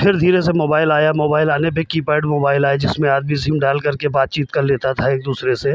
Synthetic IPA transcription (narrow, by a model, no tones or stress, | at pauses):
pʰɪɾd̪ʱiːɾesemoːbaːɪlaːjamoːbaːɪlaːnepekiːpaːɪɖmoːbaːɪlaːed͡ʒɪsmẽaːd̪miziːmɖaːlkɐɾkebaːt̪̚t͡ʃiːt̪kɐɾleːt̪at̪ʰaeːk̚d̪uːsɾese